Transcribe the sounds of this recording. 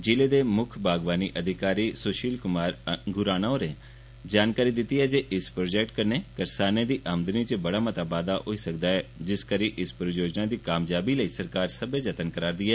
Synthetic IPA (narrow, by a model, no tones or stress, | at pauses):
d͡ʒɪleːd̪eːmʊkʰbaːɡʋaːniːʔəd̪ʱɪkaːɾiːsoːʃiːlkʊmaɾɡʊɾaːnaoːɾẽː | d͡ʒaːnkaːɾiːd̪ɪt̪ːiːɦɛːd͡ʒeːʔɪspɾoːd͡ʒɛːk̚ʈkəɾneːkəɾsaːnẽːd̪iːʔaːmd̪əniːt͡ʃəbəɽaːmət̪aːbaːd̪aːʔoiːsək̚d̪aːɦɛːd͡ʒɪskəɾiʔɪspɾəjoːd͡ʒnad̪iːkaːmd͡ʒaːbiːləiːsəɾkaːɾsəbed͡ʒət̪ənkəɾaːɾd̪iːɦɛː